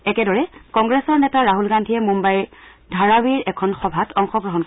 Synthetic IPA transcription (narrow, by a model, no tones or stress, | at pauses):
ɛkɛdɔɹɛkɔŋɡɹɛsɔɹnɛtaɹaɦulɡandʱiɛmumbajdʱaɹawiɹɛkʰɔnxɔbʱatʰɔŋxɔɡɹɔɦɔn